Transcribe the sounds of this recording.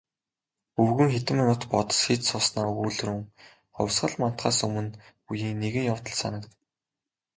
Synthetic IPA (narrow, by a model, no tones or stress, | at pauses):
ɵwɣɘ̆ŋxet̪ɘ̆manʊːt̪pɔt̪ɞ̥̆sxit̪sʊːsnaːuːɮruŋ | χɔ̰wʲsɢə̆ɮman̥t̪χaːsɵmɵ̆npujiːŋneɣɘ̆ŋjawt̪ɞ̆ɮsa̰nə̆kt̪